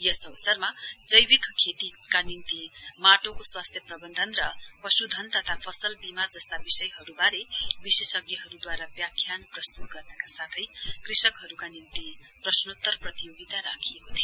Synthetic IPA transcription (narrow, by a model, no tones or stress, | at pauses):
jʌsʌwsʌrmad͡zʌjbikkʰet̪ikanint̪imaʈokoswast̪ʰjʌprʌbʌnd̪ʱʌnrʌpʌsud̪ʱʌnt̪ʌt̪ʰapʰʌsʌlbimad͡zʌst̪abisʌjɦʌɾubaɾebisesʌɡjʌɦʌɾud̪waɾabjakʰːjanprʌst̪ut̪̚ɡʌrnʌkasat̪ʰʌjkrisʌkɦʌɾukanint̪i | prʌsnot̪ːʌrprʌt̪ijoɡit̪aɾakʰijekot̪ʰijo